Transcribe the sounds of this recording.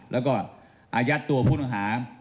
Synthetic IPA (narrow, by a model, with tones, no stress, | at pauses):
lɛː˦˥wkɔː˥˩ | ʔaː˧ja˦˥t̪ːu˧ɐpʰuː˥˩na˧ŋɦaː˩˦